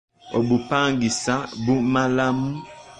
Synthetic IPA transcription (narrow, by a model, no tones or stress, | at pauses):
ɔbupaŋɡisabumalamu